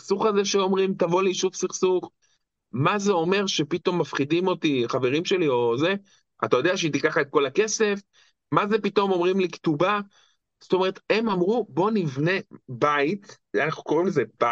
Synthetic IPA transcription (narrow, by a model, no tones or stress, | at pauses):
isuχazeʃeo̞mʁimt̪avo̞liʃuvsiχsuχ | mazeo̞me̞ʁʃe̞pit̪o̞mːafχidimo̞t̪iχave̞ʁimʃe̞lio̞ze̞ | a̰t̪ajo̞d̪eaʃet̪ikaχaet̪̚ko̞lake̞se̞f | maze̞pit̪o̞mo̞mʁimliktuba | zot̪o̞me̞ʁet̪e̞mamʁubo̞nivne̞bait | anaχnuko̞ʁimlezeba